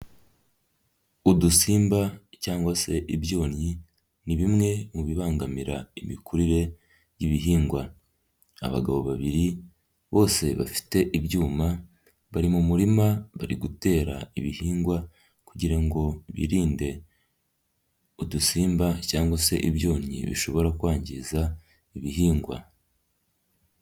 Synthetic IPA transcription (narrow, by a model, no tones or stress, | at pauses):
udusiːmbacaːŋɡwase̞ʔiβjo̞ːnɲi | niβimŋe̞muβiβaːŋɡamiɾaimikʰuɾiɾe̞ | jiβiɦiːŋɡwa | a̰βa̰ɡaβo̞βaβiɾi | βo̞ːse̞βa̰fi̥te̞ʔiβjuːma | βaɾimumuɾimaβaɾiɡute̞ːɾa̰iβihiːŋɡwa | kuɟiɾaŋɡo̞βḭːɾiːnde̞ | odusiːmbacaːŋɡwase̞̰ʔiβjo̞ːɲḭβḭʃo̞βo̞ɾakwaːɲɟiza | iβiɦiːŋɡwa̰